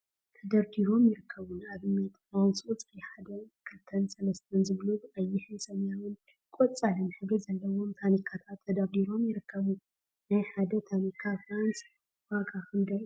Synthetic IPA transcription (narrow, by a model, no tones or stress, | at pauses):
t̪ʰɐd̪aɾd̪iɾo̞mjɪɾɨkʰːɐβunaβɨmɐt̪ʰʼawt͡sʼut͡sʼħad̪ɐkʰɨlt̪ʰɐnsɐlɐst̪ʰɐnzɨβluɐjːɪħɨsɐmjawɨn | kʼot͡sʼːalɐmħɨɡɨzɐlːɐwo̞mt̪ʰanikʰːat̪ʰat̪ʰːɐd̪aɾd̪iɾo̞mjɪɾɨkʰːɐβu | najħad̪ɐt̪ʰanikʰːafɾans | waɡʰakɨnd̪ɐ